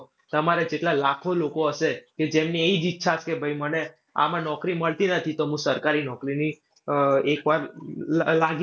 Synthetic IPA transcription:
t̪əmaɾed͡ʒeʈlalakʰolokoəʃeked͡ʒemnieid͡ʒitːʃʰat͡ʃkebʱəiməne | a̰mãnɔkɾiməɭt̪inət̪ʰit̪oɦũsəɾkaɾinɔkɾini | ekʋaɾ | laɡ

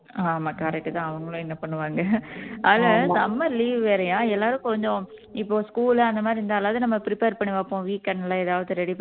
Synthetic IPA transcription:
aːmaːkɐɾɛk̚ʈːɯt̪ãːɐʋɐŋɡɐɭõːɛnːɐpɐɳːɯʋaːŋɡɐaːlɐsɐmːɐliːʋʋeːɾɐjãːɛlːaːɾɯ̃kɔɲd͡ʒõɪpːoːskuːlɐnd̪ɐmaːd̪ɾiɪnd̪aːlːaːʋðɯnɐmːɐpɪɾɪpeːɾpɐɳːɯʋaːpːõːʋiːkːɐnːlãːɛðaːʋɐðɯɾɛɽi

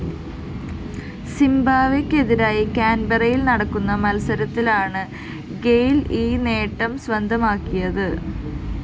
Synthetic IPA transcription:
simbaːʋikʲːe̞ðiɾaːjikaːnbɐrɐjilnɐɽɐkːunːɐmɐlsɐɾɐt̪ːilaːɳɨ | ɡe̞jliːne̞ːʈːɐmsʋɐnd̪ʱɐmaːkːijɐðɨ

